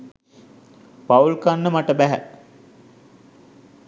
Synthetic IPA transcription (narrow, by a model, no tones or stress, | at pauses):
paulkanːəmaʈəbæɦæ̰